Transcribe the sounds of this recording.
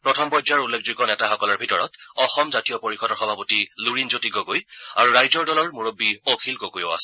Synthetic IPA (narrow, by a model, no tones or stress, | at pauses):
pɹɔtʰɔmpɔjdaɹulːekʰziɡɔnɛtaxɔkɔlɔɹbʱitɔɹɔ̰tɔxɔmzatijɔpoɹixɔdɔɹxɔbʱapɔtiluɹinzotiɡɔɡoja̰ɹuɹajzɔɹdɔlɔɹmuɹobːiokʰilkokujɔ̰a̰sɛ